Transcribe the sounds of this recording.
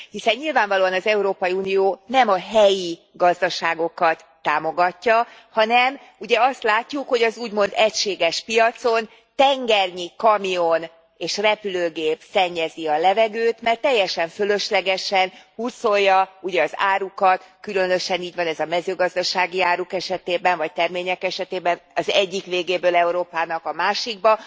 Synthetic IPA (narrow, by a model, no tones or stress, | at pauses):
hisɛɲːilvaːɱvɒloːɒnɒzɛuɾoːpɒjiunijoːnɛmɒɦɛji | ɡɒzd̪ɒʃaːɡo̞kɒt̪ːaːmo̞ɡɒcːɒ | hɒnɛm | uɟɛɒst̪laːcːukho̞ɟɒzuːɟmo̞nd̪ɛcʃeːɡɛʃpijɒt̪so̞n | t̪ɛŋɡɛrɲikɒmio̞n | eːʃrɛpyløːɡeːpsɛɲːɛziɒlɛvɛɡøːt̪mɛrt̪ːɛjːɛʃɛɱfølø̞ʃlɛɡɛʃɛnhuso̞lːɒuɟɛɒza̰ːɾukɒt̪kylø̞nø̞ʃɛniːɟvɒnɛzɒmɛzøːɡɒzd̪ɒʃaːɡiaːɾukɛʃɛt̪eːbɛɱvɒc̚t̪ɛrmeːɲɛkɛʃɛt̪eːbɛnɒzɛɟːikʋeːɡeːbøːlɛuɾoːpaːnɒkɒmaːʃiɡbɒ